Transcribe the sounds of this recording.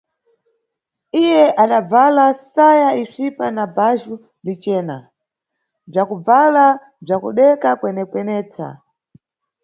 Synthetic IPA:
ijɛʔaɗab͡valasajaisipanabaʒu | lit͡ʃɛːna̰ | b͡ʐakub͡vala | b͡ʐakṵɗɛkakwɛnɛkwɛnɛːt͡sa̰

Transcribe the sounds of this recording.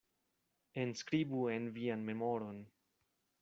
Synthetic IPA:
enskɾibuenvianme̞moɾo̞n

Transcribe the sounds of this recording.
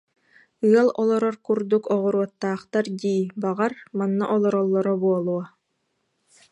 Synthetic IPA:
ɯɐlˠɔlˠɔɾɔɾkuɾd̪ukɔʁɔɾuɔt̪ːaːχt̪aɾd̪iːbaʁaɾmanːaʔɔlˠɔɾɔlˠːɔɾɔbuɔlˠuɔ

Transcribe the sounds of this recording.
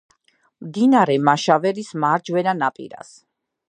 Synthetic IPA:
md̪inaɾɛmaʃavɛɾismaɾd͡ʒwɛnanapʼḭɾa̰s

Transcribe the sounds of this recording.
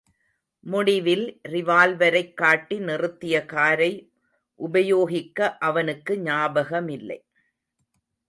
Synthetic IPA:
mʊɽɪʋɪlrɪʋaːlʋɐɾɐɪkːaːʈːinɪrɯt̪ːɪjɐkaːɾɐɪ | ʔʊbɐjoːɣɪkːɐʔɐʋɐnɯkːɯɲaːbɐɣɐmɪlːɐ̰ɪ

